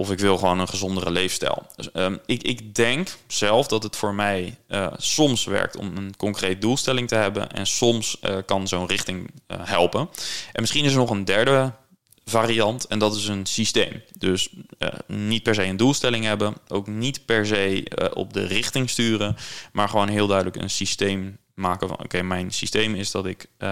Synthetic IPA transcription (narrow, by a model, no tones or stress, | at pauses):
ʔɔfɪkʋɪlˠχʋoːnənχəzɔndərəlejfstɛ̰lˠɪɪkdɛŋksɛlˠfdɑtɦətfʊːɹmɛjsɔmsʋɛ̰ɹk̚tɔ̰mənkɔŋkrejt̚dulˠstɛlɪŋtəɦɛbə̰nɛ̰nsɔmskɑnzownrɪχtɪŋɦɛlˠpənʔɛnmɪsχinɪs̬ənɔχəndɛɹdə | vaːriɑntɛndɑtɪsənsistejmdøs | nit̚pɛɹzejəndulˠstɛlɪŋɦɛbənʔo̰wknitpɛɹzejʔɔ̰p̚də̰rɪχtɪŋstyːrənmaːɹχəʋownɦɪːlˠdœɥdələkə̰nsistejmː | aːkəvɑ̰no̰wkejmɛjnsistejmɪzdɑtɪk